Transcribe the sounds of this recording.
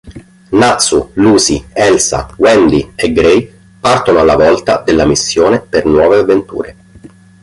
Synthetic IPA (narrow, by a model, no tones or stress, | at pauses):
nat̪sːuluːsiɛlsa̰wɛnd̪ieɡɾej | part̪onoalːavɔlt̪a̰d̪elːamisːjoːnepernwɔːveavːent̪ṵːɾe